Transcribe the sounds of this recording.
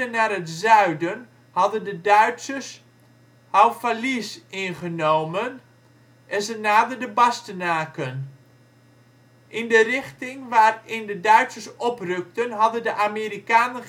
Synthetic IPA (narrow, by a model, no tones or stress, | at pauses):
ənaːɾətzœɥdən | hɑdəndədœɥtsəs | hawfalisɪnχənowmən | ʔɛnzənaːdərdəbɑstənaːkən | ʔɪndərɪχtɪŋʋaːrɪndədœɥtsəsɔprɵk̚tənɦɑdəndəʔamiːɾikaːnə